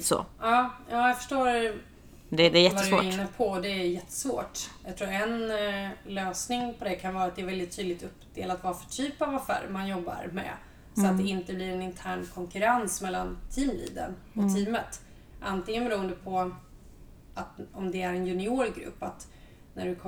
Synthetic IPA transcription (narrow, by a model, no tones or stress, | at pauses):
sɔ̰ɑːjɑːjaɡfœ̥ʂʈoːɾ | d̪ɛjɛvad̪aːɾɪnnːəpʰɔd̪ɛæːjjɛt̪ʰːə̥svo̰ːʈjɑɡ̚t̪ʰɾuːɾɛn | løːsnɪŋpʰɔd̪ɛkʰanvɑːɾat̪̚d̪ɛːɾvɛld̪ɪt̪ʰːyːd̪lɪk̚t̪ɵpːd̪ḛːlat̪vɑːɾfœ̥ʈʰyːpavafæ̰ːɾmanjɔbːa̰ɾmɛ̰ | sɔat̪d̪ɛɪnt̪əblɪɾɛnɪnt̪ʰæːɳkʰɔŋkɵɾansmɛlːant̪ʰiːmbḭːd̪ə̰n | ɔt̪ʰiːmət̪ | ʔant̪ɪŋənbɛɾuːənd̪əpʰɔ | ʔat̪ɔmd̪ɛæɾɛnjɵnɪoːɾɡɾɵ̰pːat̪ | næɖɵkʰ